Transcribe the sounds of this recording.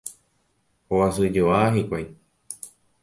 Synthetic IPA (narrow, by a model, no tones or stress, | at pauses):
owasɨd͡ʒoaɦikʷaj